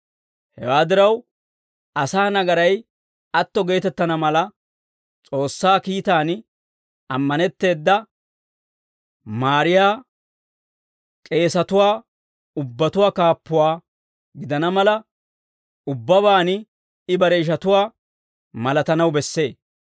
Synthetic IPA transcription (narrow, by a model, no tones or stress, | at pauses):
hɛ̰waːd̪ɪɾɐw | ʔɐsaːnɐɡɐɾɐj | ɐt̪ːɔɡe̞ːt̪ɛt̪ːɐnɐmɐlɐ | t͡sʼo̞ːsːaːkiːt̪aːn | ɐmːɐnɛt̪ːe̞ːd̪ːɐ | maːɾɪjaː | kʼe̞ːsɐt̪ʊwaː | ʊbːɐt̪ʊwaːkaːpːʊwaː | ɡɪd̪ɐnɐmɐlɐ | ʊbːɐβaːnɪ | ɪbɐɾeːʃ̬ɐt̪ʊwaː | mɐlɐt̪ɐnɐwbɛsːe̞ː